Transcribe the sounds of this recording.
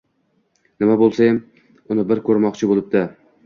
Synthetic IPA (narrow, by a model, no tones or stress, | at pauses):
nɪmabolˠsajɪm | ʊnɪbɪɾkʰɵɾmɒqt͡ʃʰɪbolˠɪb̚d̪ɪ